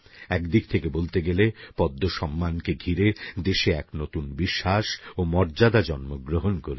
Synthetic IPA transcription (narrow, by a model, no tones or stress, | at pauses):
ɛkd̪ik̚t̪ʰekebolt̪eɡelepɔd̪ʱːoʃɔmːankeɡʱiɾed̪eʃeɛknot̪unbiʃːaʃomɔɾd͡ʑad̪ad͡ʑɔnmoɡɾoɦonkoɾe